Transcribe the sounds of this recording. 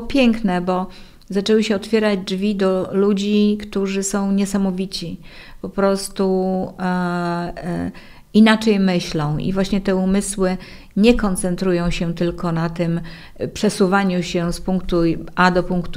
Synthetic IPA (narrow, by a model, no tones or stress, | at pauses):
pʲjɛŋknɛbɔ | zat͡ʂɛwɘɕɛɔt̪fʲjɛɾad͡ʑd͡ʐvʲid̪ɔlud͡ʑikt̪uʐɘsɔ̃w̃ɲɛsamɔvʲit͡ɕipɔpɾɔst̪u | inat͡ʂɛjmɘɕlɔ̃w̃ḭvwaɕɲɛt̪ɛumɘswɘ | ɲɛkɔnt̪sɛnt̪ɾujɔ̃w̃ɕɛt̪ɘlkɔnat̪ɘm | pʂɛsuvaɲuɕɛspuŋk̚t̪uad̪ɔpuŋkt̪u